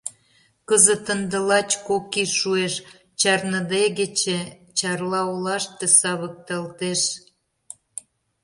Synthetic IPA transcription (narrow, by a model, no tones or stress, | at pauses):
kəzət̪ənd̪ə̆lɑt͡ɕkokiʃueʃ | t͡ɕɑrnə̆d̪eɣet͡ɕe | t͡ɕɑrlɑolɑʃt̪ĕsɑβək̚t̪ɑlt̪eʃ